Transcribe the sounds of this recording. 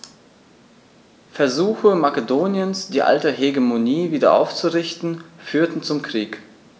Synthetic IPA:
fɛɐzuːxəmakədoːnjənsd̥iːʔa̰ltəɦeɡemoniːviːdɐ̰ʔa̰ʊft͡suʁɪçtn̩fyːɐtn̩t͡sʊmkʁ̥iːk

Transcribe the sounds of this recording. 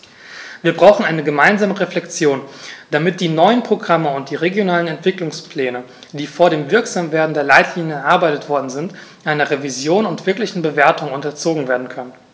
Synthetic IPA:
viːɐbʁaʊxn̩ʔaɪnəɡəmaɪnzaːməʁeflɛkt͡sjoːnd̥amɪt̚d̥iːnɔʏənpʁ̥oɡʁaməʊnt̚d̥iːʁeɡjonaːlənɛntv̥ɪklʊŋspl̥ɛːnə | d̥iːfoːɐɾeːmvɪɐkz̥aːmveːɐdn̩deːɐlaɪtʰliːnjəɛɐʔaɐbaɪtətv̥ɔɐdn̩zɪntʔaɪnɐʁevizjoːnʊntv̥ɪɐklɪçn̩bəveːɐtʊŋʊntɐt͡soːɡŋ̩veːɐdn̩kʰœnən

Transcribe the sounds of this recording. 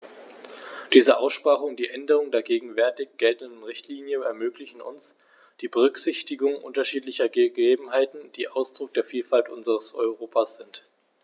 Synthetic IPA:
d̥iːzəʔaʊsʃpʁaːʁʊŋdiːʔɛndəʁʊŋdeːɐɡeːɡŋ̩vɛɐtɪçɡ̥ɛltn̩dn̩ʁɪçtʰliːnjənɛɐmøːklɪçn̩ʔʊ̰ns | d̥iːbəʁʏkz̥ɪçtɪɡʊŋʔʊ̰ntɐʃiːtlɪçɐɡəɡeːbm̩ɦaɪtn̩d̥iːʔaʊsd̥ʁʊk̚d̥eːɐfiːlfaltʔʊnzəʁəsʔɔ̰ʏʁoːpʰasz̥ɪnt

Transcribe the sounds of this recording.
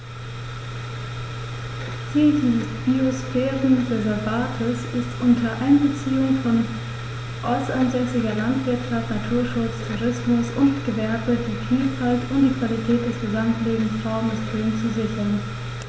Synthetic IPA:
t͡siːldiːzəsb̥iosfɛːʁənʁezɛɐvaːtʰɪsɪstʔʊntʰɐʔaɪnbət͡siːʊŋfɔn | ʔaʊsɐʔanzɛsɪɡɐlantv̥ɪɐtʃaftnatʰuːɐʃʊt͡stʰuʁɪsmʊsʔʊntɡ̥əvɛɐbədiːfiːlfaltʊntd̥iːkv̥alitʰɛːt̚d̥ɛsɡ̥əzamtleːbm̩sʁaʊmsfʁeːnt͡suzɪçɐn

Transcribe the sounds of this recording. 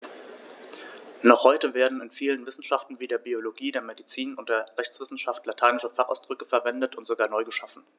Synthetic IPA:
nɔχhɔʏtəveːɐdn̩ɪnfiːlənvɪsn̩ʃaftn̩viːdeːɐbioloɡiːdeːɐmedit͡siːnʊntd̥eːɐʁɛçt͡sv̥ɪsn̩ʃaftlatʰaɪnɪʃəfaχʔa̰ʊsd̥ʁʏkəfɛɐvɛndətʊntz̥oɡaːɐnɔʏɡəʃafn̩

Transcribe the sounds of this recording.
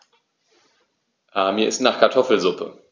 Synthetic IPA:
ʔaːmiːɐɪstnaːχkʰaɐtʰɔfl̩zʊpʰə̰

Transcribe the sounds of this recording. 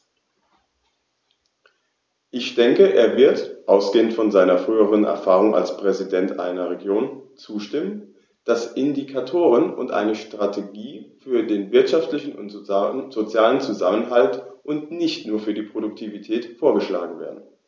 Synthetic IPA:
ʔɪçd̥ɛŋkəʔeːɐvɪɐtʔaʊsɡ̥eːəntfɔnzaɪnɐfʁ̥yːəʁənɛ̰ɐfaːʁ̞ʊŋʔa̰lspʁ̥ɛzidɛntʔa̰ɪnɐʁeɡjoːnt͡suːʃtɪmən | d̥asʔɪndikʰatʰoːʁ̞ənʊ̰ntʔa̰ɪnəʃtʁ̥atʰeɡiːfyːɐdeːnvɪɐtʃaftlɪçn̩ʊ̰ntz̥ot͡sjaːlənt͡suzamənɦaltʔʊntnɪçtnuːɐfyːɐdiːpʁ̥odʊk̚tʰivitʰɛːtfoːɐɡəʃla̰ːɡŋ̩vḛːɐdn̩

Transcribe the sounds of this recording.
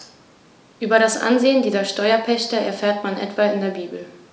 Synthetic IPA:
ʔyːbɐɾasʔa̰nzeːəndiːzɐʃtɔʏɐpʰɛçtəɛ̰ɐfɛːɐtmanʔɛ̰tv̥aɪndeːɐbiːbl̩

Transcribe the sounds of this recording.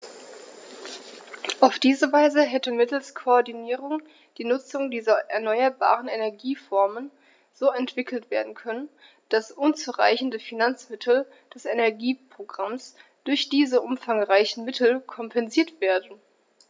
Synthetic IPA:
ʔaʊfd̥iːzəvaɪzəɦɛtəmɪtl̩skʰoɔɐdiniːʁʊŋ | d̥iːnʊt͡sʊŋdiːzɐʔɛɐnɔʏɐba̰ːʁ̞ənenɛɐɡiːfɔɐmən | z̥oːɛntv̥ɪkl̩tv̥eːɐdn̩kʰœnən | d̥asʔʊnt͡suʁa̰ɪçn̩dəfinant͡smɪtʰl̩ | d̥ɛsɛnɛɐɡiːpʁ̥oɡʁamsd̥ʊɐçd̥iːzəʔʊmfaŋʁaɪçn̩mɪtʰl̩kʰɔmpʰɛnziːɐtv̥eːɐdn̩

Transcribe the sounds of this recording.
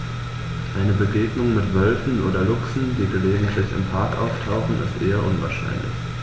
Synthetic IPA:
ʔaɪnəbəɡeːɡnʊŋmɪtv̥œlfn̩ʔoːdɐlʊksn̩d̥iːɡəleːɡŋ̩tʰlɪçɪ̰mpʰaɐkʔa̰ʊftʰaʊχn̩ɪ̰stʔeːɐʔʊnva̰ɐʃa̰ɪnlɪ̰ç

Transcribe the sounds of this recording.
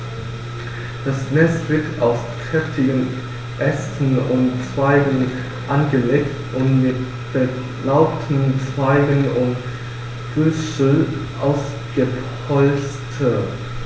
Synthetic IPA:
d̥asnɛstv̥ɪɐtaʊst͡sɛftʰɪɡən | ʔɛstn̩ʊnt͡sv̥aɪɡən̩ | ʔanɡəleːktʔʊntmɪt | b̥ə | laʊp̚tʰn̩t͡sv̥aɪɡənʊnt | ɡ̥ʏsəʔaʊs | ɡ̥ə | ɔlstʰə

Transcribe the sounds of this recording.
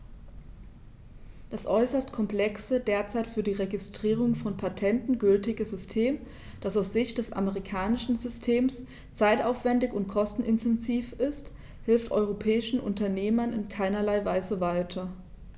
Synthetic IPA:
d̥asʔɔʏsɐstkʰɔmpl̥ɛksədeːɐt͡saɪtfyːɐdiːʁeɡɪstʁ̥iːʁ̞ʊŋfɔnpʰatʰɛntn̩ɡʏltɪɡəzʏstʰeːm | d̥asaʊsz̥ɪçtd̥ɛsʔa̰məʁikʰaːnɪʃn̩zʏstʰeːms | t͡saɪtaʊfv̥ɛndɪçʊntkʰɔstn̩ʔɪntʰɛnziːfɪst | hɪlftʔɔ̰ʏʁ̞opʰɛːɪʃn̩ʔʊ̰ntɐneːmɐnɪ̰nkʰaɪnɐlaɪvaɪzəvaɪtʰɐ

